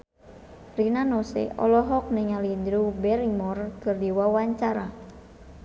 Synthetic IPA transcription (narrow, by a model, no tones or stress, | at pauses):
rinanɔsɛ̰ʔɔ̰lɔɦɔk̚neŋalind̪ɾubɛɾimɔrkɨrdiwawaɲt͡ʃaɾa